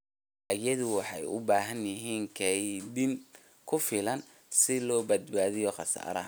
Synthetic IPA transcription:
ʔɐjɐðʊwɑħɑjʊ̰baːɦɐnjɪɦiːŋkʰɛjdɪn | kʰʊfɪlɐn | sɪlɔːbɐd̪baːðɪjɔχɑsa̰ːɾɐ̰

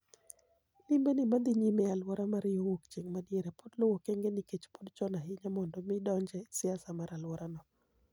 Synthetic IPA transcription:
lɪmbenɪmad̪iɲimɛalwɔɾamaɾɪjowokt͡ʃeŋmadjeɾɛpodlowɔkeŋɡeniket͡ʃpodt͡ʃɔnaɦɪɲamɔndɔmɪdɔɲd͡ʒɛsɪasamaɾalwɔɾanɔ

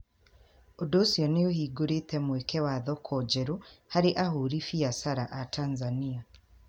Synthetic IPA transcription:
odoːsjɔneohiːɡoɾetɛmwɛkɛwaðɔkʰɔd͡ʒɛɾohaɾeʔahoːɾifiasaɾaʔatʰanzania

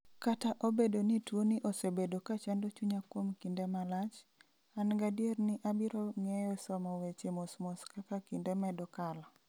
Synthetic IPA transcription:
kataʔobedonitwonɪʔosebedokat͡ʃandot͡ʃuɲakwomkindɛmalat͡ʃ | anɡadjernɪʔabiɾɔŋɛjɔsɔmawet͡ʃemosmoskakakindɛmɛdɔkala

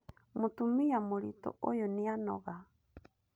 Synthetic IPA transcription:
motumiamoɾito̰ʔojonianɔ̰ɣa

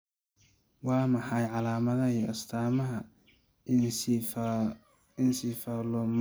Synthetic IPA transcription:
wɑːmɑħɑjʕɑlaːmɐðɐiɐst̪ʰaːmɐɦɐ | ɪnsiːfaːlɔm

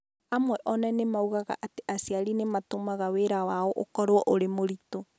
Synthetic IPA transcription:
amwɛʔɔnɛnemauɣaɣa̰ʔateʔasiaɾinematomaɣaweɾawaɔʔo̰kɔɾwɔʔoɾemoɾito

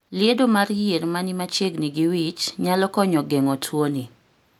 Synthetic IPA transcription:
lɪedomarjeɾmanimat͡ʃeɡniɡiwit͡ʃɲalɔkɔɲɔɡeŋɔtʰwoni

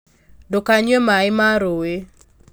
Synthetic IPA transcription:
dokaɲwemaɪmaɾowe

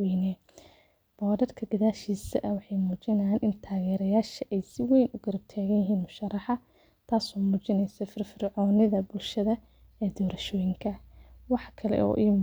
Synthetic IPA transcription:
ɛnɛ | b̥ɔːɾɐrkʰɐɡɐðaːʃiːsɐ̰ʔɐwɑħɑjmuːt͡ʃɪnɐjaːnʔɪnt̪ʰaːɣɛːɾɐjaːʃɐʔɛjsɪwɛjnʊɡɐɾɐb̚t̪ʰaːɣɐnjɦiːnmʊʃɐrɑħɑ | t̪ʰaːsɔːmuːt͡ʃɪnɛjsɐfɪrfɪrʕɔːnɪðɐbʊlʃɐðɐ | ɛːd̪ɔːɾɐʃɔːjɪŋkʰɐwɑħkʰɐlɛ̰ʔɔ̰ːʔiː

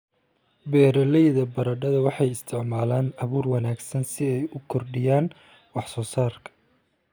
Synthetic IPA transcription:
bɛːɾɐlɛjðɐbɐɾɐɖɐðɐwɑħɑjɪst̪ʰɪʕmaːlaːnɐβuːrwɑnaːɡsɐnsɪɛjʊkʰɔrɖɪjaːn | wɑħsɔːsaːrkʰɐ̥

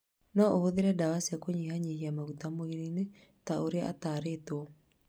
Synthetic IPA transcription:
nɔʔohoðeɾɛdawasiakoɲiɦaɲihiamaɣutamoiɾine | taoɾea̰t̪aːɾet̪wɔ

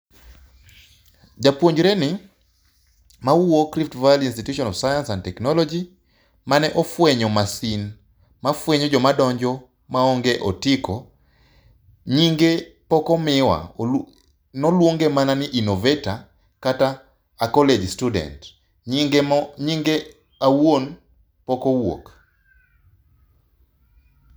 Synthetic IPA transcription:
d͡ʒapwoɲd͡ʒɾenɪ | mawuokɾiftvajalinstituʃɔnɔvsajãnsãndtɛknɔlɔd͡ʒi | manɛʔofweɲɔmasin | mafweɲɔd͡ʒɔmadɔɲd͡ʒɔ | maɔŋɡeʔɔtɪkɔ | ɲiŋɡepɔkɔmɪwa̰ | nɔlwoŋɡemananɪʔinoveta | kataː | kɔled͡ʒstudɛ̰nt | ɲiŋɡe | awon | pɔkɔwo̰k

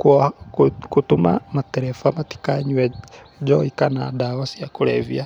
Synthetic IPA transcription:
kwo | kutuma̰mateɾefamati̥kaɲwe | d͡ʒoikanadawasijakuɾḛvja

